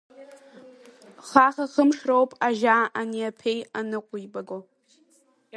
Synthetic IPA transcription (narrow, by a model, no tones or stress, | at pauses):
χaχaχəmʂrowpʼaʒaːaniapʰejanɨqʷʼʊibaɡo